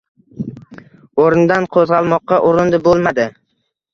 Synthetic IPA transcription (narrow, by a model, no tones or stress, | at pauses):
oɾɪnd̪anqʰozʁɑlˠmɒqːɑʔʊɾɪnd̪ɪbolˠmad̪ɪ